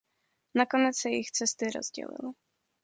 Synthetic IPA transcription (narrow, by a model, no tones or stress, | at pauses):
nako̞nɛt͡ssɛjɪxt͡sɛst̪ɪɾo̰z̥ɟɛ̰lɪ̰lɪ